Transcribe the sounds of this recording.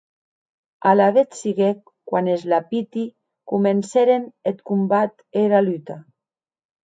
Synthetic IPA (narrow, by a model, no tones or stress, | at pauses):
alaðet̪siɣekːwanezlapit̪i | kumenseɾenet̪kumbat̪ | eɾalyt̪a